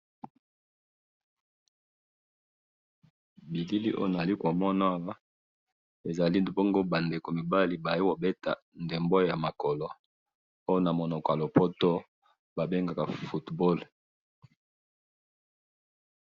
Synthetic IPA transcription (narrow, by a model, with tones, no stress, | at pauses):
bi˨li˦li˦ʔo̰˦jna˨a˨li˦ko˨mɔ˦na˦wa˦ | e˨za˨li˦bo˦ŋɡo˦ba˨nde˨ko˨mi˨ba˦li˨ba˨je˦ko˨be˦ta̰˨ | nde˨mbo˦ja˨ma˨kɔ˨lɔ˨ | o˦jo˦na˨mo˨nɔ˨kɔ˨a˨lo˨po˦to˦ | ba˨be˦ŋɡa˨ka˨fu˨tbo˦l